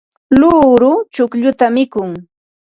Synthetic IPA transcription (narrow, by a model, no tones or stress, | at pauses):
luːɾʊt͡ʃʊkʎʊt̪amɪkʊŋ